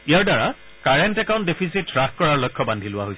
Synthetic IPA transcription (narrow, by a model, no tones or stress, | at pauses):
ijaɹdaɹa | kaɹɛntɛkaw̃ntdepʰisitɹakkɔɹaɹlɔjkʰːɔbandʱilʊwa̰ɦojsɛ